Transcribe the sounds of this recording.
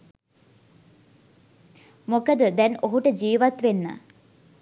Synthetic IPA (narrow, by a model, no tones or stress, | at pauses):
mokəd̪əd̪ɛnoɦuʈəd͡ʒiːʋat̪ʋenːa̰